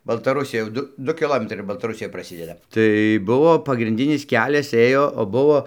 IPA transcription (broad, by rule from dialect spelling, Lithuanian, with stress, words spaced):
bɐlˠtɐˈrʊsʲɪjɛ jɛʊ ˈdʊ ˈdʊ kʲɪˈlˠoːmʲɛtrɐɪ ɪr bɐlˠtɐˈrʊsʲɪjɛ prɐˈsʲɪdʲɛdɐ tɐɪ ˈbʊʋoː pɐɡrʲɪnʲˈdʲɪnʲɪs ˈkʲæːlʲɛs ˈeːjoː oː ˈbʊʋoː